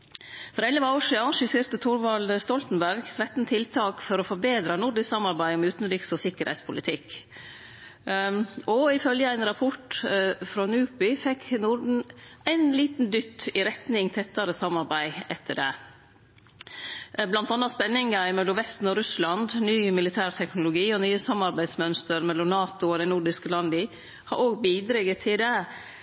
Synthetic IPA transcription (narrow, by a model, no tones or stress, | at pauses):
fɔɾɛlːəʋɛːʂiɑʂəsɪɾt̪ət̪ʰʊɾʋɑld̪st̪ɔlt̪n̩bæɾɡt̪ʰɾɛt̪n̩t̪ʰɪlt̪ʰɑːkfɔɾɔfɔɾbeːd̪ɾɑnʊɾɖɪssɑmɑɾbæɪɔmʉːt̪n̩d̪ʏksɔsɪkəɾhæ̰ɪt̪spʰʊlɪt̪ʰɪkː | ʔɔɪfœljəæɪnɾɑpʰɔʈfɾɑnʉːpʏfɛkʰːnʊɾɖn̩æɪnliːt̪n̩d̪ʏt̪ːɪɾɛt̪nɪŋt̪ʰɛt̪ːɑɾəsɑmːɑɾbæɪɛt̪ʰːəɖɛ | blɑnt̪ɑnːɑspɛnːɪŋɑɪmɛlːɔʋɛst̪n̩ɔɾʉslɑnd̪nyːmɪlɪt̪ʰæːɾt̪ʰɛknʊlʊɡiːɔnyːəsɑmːɑɾbæɪd̪smœnst̪əɾmɛlːɔmnɑːt̪ʊɔd̪ɛɪnʊɖɪskəlɑnd̪əɪ | hɑ̰ɾoːɡ̚biːd̪ɾɛɡət̪ʰɪld̪ɛ